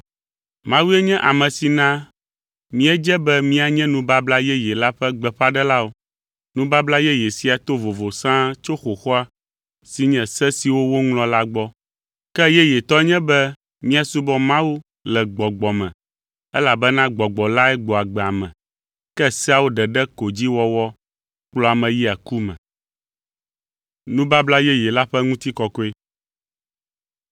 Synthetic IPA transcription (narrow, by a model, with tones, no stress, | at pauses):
mã˦wu˦ɛ˦ɲɛ̃˦ʔa˨mɛ̃˨si˨nã˦ | mĩ˦ɛ˦d͡ʒɛ˦bɛ˦mĩ˦a˨ɲɛ̃˦nũ˦ba˦bla˦jɛ˦jɛ˨la˦ɸɛ˦ɡ͡bɛ˨ɸa˦ɖɛ˦la˦wo˨ | nũ˦ba˦bla˦jɛ˦jɛ˨si˦a˨t̪o˦vo˨vo˨sã˦t͡ʃo˦xo˨xɔ˦a˦ | si˨ɲɛ̃˨sɛ˦si˨wo˦wo˦ŋlɔ̃˦la˦ɡ͡bɔ˦ | kɛ˦jɛ˦jɛ˨t̪ɔ˦ɲɛ̃˦bɛ˦ | mĩ˦a˨su˦bɔ˦mã˦wu˦ | lɛ˨ɡ͡bɔ˨ɡ͡bɔ˨mɛ̃˨ | ɛ˦la˨bɛ˦nã˦ɡ͡bɔ˨ɡ͡bɔ˨la˦ɛ˦ɡ͡bɔ˨a˨ɡ͡bɛ˨a˨mɛ̃˨ | kɛ˦sɛ˦a˨wo˦ɖɛ˨ɖɛ˦ko˨d͡ʑi˦wɔ˦wɔ˦ | k͡plɔ˦a˨mɛ̃˨ji˦a˨ku˦mɛ̃˨ | nũ˦ba˦bla˦jɛ˦jɛ˨la˦ɸɛ˦ŋũ˦t̪i˦kɔ˨kɔ˦e˦